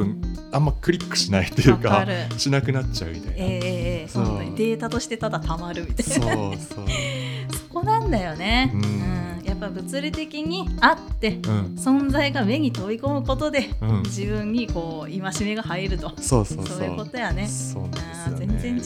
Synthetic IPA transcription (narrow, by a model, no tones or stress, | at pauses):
ɯ̟̃ | amːakɯ̟ɾʲikːɯ̥ɕinait̪ːojɯkaɾɯɕinakɯ̟natt͡ɕːa̰ɯ̟mit̪a̰ieːeːsoõnaid̪e̞ːt̪at̪o̞ɕi̥t̪e̞t̪ad̪at̪amaɾɯ̟mʲit̪a | oso̞̥ko̞nãnd̪ajo̞ne̞ɯ̟̃japːabɯ̟t͡sɨɾʲit̪e̞kʲiɲ̟iat̪ːe̞ɯ̃ɴsõ̞nd͡zaiɡame̞ɲ̟it̪o̞iko̞mɯ̟ko̞t̪o̞d̪e̞ɯ̃d͡ʑibɯ̟̃ɲ̟ːiko̞ː | imaɕime̞ɡahaiɾɯ̟t̪o̞soːsosso̞ːjɯko̞t̪o̞jane̞o̰ːɯ̃ːzẽ̞nzẽ̞ɲ